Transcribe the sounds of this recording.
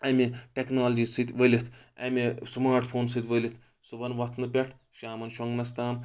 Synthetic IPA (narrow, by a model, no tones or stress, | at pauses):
ɐmiʈeknaːld͡ʒiːsɨt̪ʲʋəlʲit̪ʰ | ɐ̰mesmaːɾʈpʰoːns̬ɨt̪ʲʋəlʲit̪ʰ | subɐnʋɐt̪ʰnɨpʲeʈʰ | ʃaːmɐnʃɐŋɡnɐst̪aːm